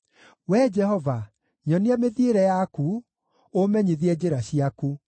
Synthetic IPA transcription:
wɛd͡ʒɛhɔva | ɲɔniameðieɾɛjaku | omɛɲiðiɛd͡ʑeɾaɕiaku

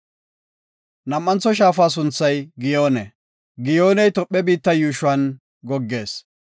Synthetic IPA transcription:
nɐmːɐnt͡sːɔʃ̬aːfaːs̬ʊnt͡sːɐjɡɪjoːnɛ | ɡɪjoːnɛjt̪ɔpʼːɛbiːt̪ːɐjuːʃʊɐn | ɡɔɡːe̞ːs

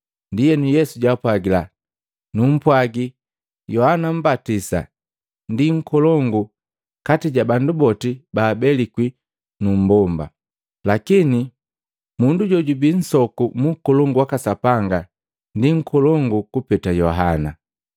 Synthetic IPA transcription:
ndijɛnujɛsuɟapwaɡila | num̩pwaɡi | jɔhanam̩batisa̰ | ndiŋ̩kɔlɔŋɡu | katiɟabandubɔtibaːbɛlikwi | num̩bɔmba̰ | lakini | munduɟɔɟubin̩sɔkumukɔlɔŋɡuwakasapaŋɡa | ndiŋ̩kɔlɔŋɡukupɛtajɔɦana̰

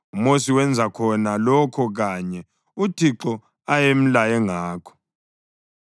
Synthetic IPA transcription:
umosiwɛnd͡zʱakʰɔnalɔkʰɔɣaɲɛ | utʰiǁɔ | ajem̩lajɛŋaːkʰɔ̥

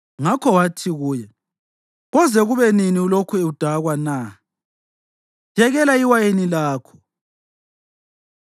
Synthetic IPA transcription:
ŋakʰɔwatʰiɣuːjɛ | ɣɔzɛɣuβɛniniulokʰueud̥ʱaɣwana | jɛɣɛlaiwajenilaːkʰɔ̥

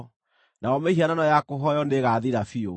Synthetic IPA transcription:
naɔmehiananɔjakoɦɔjɔndeɣaðiɾafio

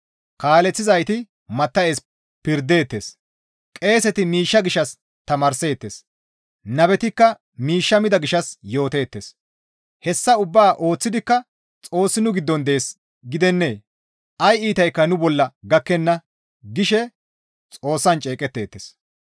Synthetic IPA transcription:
kaːlɛt͡sːɪzɐjt̪ɪ | mɐt̪ːɐeːs | pɪɾd̪e̞ːt̪ːe̞ːs | kʼe̞ːsɛt̪ɪmiːʃːɐɡɪʃɐs | t̪ɐmɐːɾse̞ːt̪ːeːs | nɐbɛt̪ɪkːɐ | miːʃːɐmɪd̪ɐɡɪʃɐsjo̞ːt̪e̞ːt̪ːes | hɛsːɐʊbːaːʔo̞ːt͡sːɪd̪ɪkːɐ | t͡sʼo̞ːsːɪnʊɡɪd̪ːɔnd̪ɛeeːs | ɡɪd̪ɛnːeː | ɐjiːt̪ɐjkːɐnʊbɔlːɐɡɐkːɛnːɐ | ɡɪʃɛ | t͡sʼo̞ːsːɐnt͡ʃʼe̞ːkʼɛt̪ːe̞ːt̪ːes

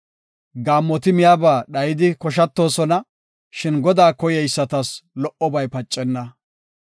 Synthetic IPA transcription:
ɡaːmːɔt̪ɪmɪjaːbaːɗɐjɪd̪ɪkɔʃ̬ɐt̪ːo̞ːsɔnɐ | ʃɪnɡɔd̪aːkɔjɛjsːɐt̪ɐslɔʔɔbɐjpɐt͡ʃʼːɛnːɐ

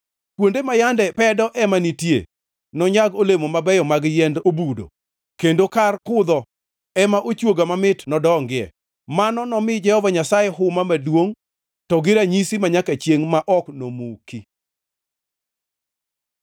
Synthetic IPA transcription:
kwondemajandɛpɛdɔʔɛmanitjḛ | nɔɲaɡolemomabɛjɔmaɡjɛndobudo̰ | kendokarkʊd̪ɔ | ɛmaʔot͡ʃwoɡamamɪtnɔdɔŋɡɪɛ̰ | manɔnɔmɪd͡ʒɛhɔvaɲasajɛɦʊmamadwoŋ | tɔɡɪɾaɲisimaɲakat͡ʃjeŋmaʔɔknomuki

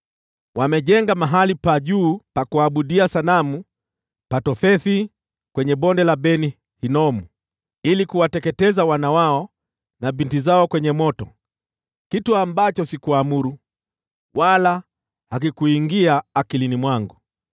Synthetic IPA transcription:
wamɛʄɛŋɡamaɦalipaʄuːpakuaɓuɗiasanamu | patɔfɛθi | kwɛɲɛɓɔndɛlaɓɛni | hinɔmu | ilikuwatɛkɛtɛzawanawaɔ | nabintizaɔkwɛɲɛmɔtɔ̰ | kituambat͡ʃɔsikuamuɾu | wala | hak̬ikuiŋɡiaːkilinimwaŋɡu

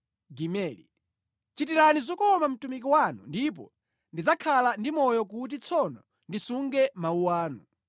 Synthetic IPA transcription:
ɡimɛːlḭ | t͡ʃit̬iɾanizɔkɔmam̩tumik̬iwanṵndip̬ɔ̰ | ndid͡zakʰalandimɔjɔk̬ut̬it͡sʰɔnɔ | ndisuŋɡɛmauwaːnu

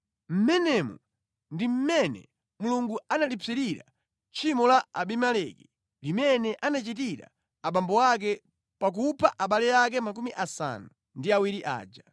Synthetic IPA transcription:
m̩mɛnɛmṵ | ndim̩mɛnɛ̰ | muluŋɡuanalipʰiɾiɾa̰ | t͡ʃimɔlaaɓimalɛki | limɛnɛʔanat͡ʃit̬iɾa̰ː | ɓambɔwak̬ɛ | pak̬upʰaʔaɓalɛjak̬ɛmak̬umiʔasa̰nu | ndiawiɾiʔa̰ːd͡ʒa

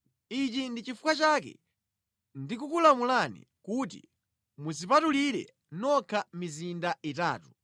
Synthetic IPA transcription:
it͡ʃindit͡ʃifukwat͡ʃaːkɛ̰ | ndikukulamulanḭ | kuːt̬ḭ | muzipatuliɾɛ̰ | nɔkʰamizindaita̰ːtu̥

